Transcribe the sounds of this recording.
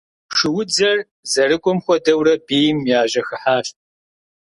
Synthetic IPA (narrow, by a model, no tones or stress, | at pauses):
ʂɨwʊd͡zɐr | zɐrɨɡʷʼɔmxʷɔdɐwrɐbeːjmjaːʒɐxɨħaːɕt̚ʼ